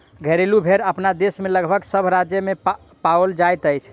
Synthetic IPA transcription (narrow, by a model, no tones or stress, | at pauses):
ɡʱəɾelubʱeɾəpnad̪esmeləɡbʱəɡsəbʱɾad͡ʒjəme | paold͡ʒajt̪əjt͡ʃʰ